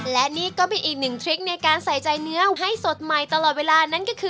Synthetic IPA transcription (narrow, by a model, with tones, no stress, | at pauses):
lɛ˦˥niː˦˥˩kɔː˥˩pe˧nʔiː˨˩k̚nɯ˨˩ŋt̪ʰɾi˦˥k̚na˧jkaː˧nsa˨˩˦jt͡ɕa˧jnɯ˦˥ɐɦa˥˩jso˨˩t̪̚ma˨˩jt̪a˧lɔː˨˩t̪̚weː˧laː˧na˥˩nkɔː˥˩kʰɯː˧